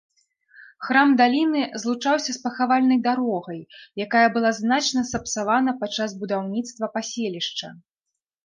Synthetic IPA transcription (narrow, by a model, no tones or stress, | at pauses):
xɾamd̪alʲinɨzlˠut͡ʂawsʲɐspɐxavalʲnɐjd̪aɾɔɣɐjjakajɐbɨlˠaznat͡ʂnɐsɐpsavanɐpat͡ʂːazbud̪awnʲit̪st̪vɐpasʲelʲiʂt͡ʂɐ̰